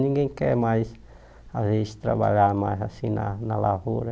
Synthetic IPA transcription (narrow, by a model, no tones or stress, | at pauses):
nĩŋɡẽj̃kɛɾmajs | azezɪst̪ɾa̰βa̰ʎaɾmajsasĩna̰nalavuɾɐ